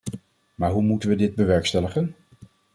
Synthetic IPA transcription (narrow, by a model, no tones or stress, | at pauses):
maːɹɦumutənʋədɪd̚bəʋɛɹkstɛləχən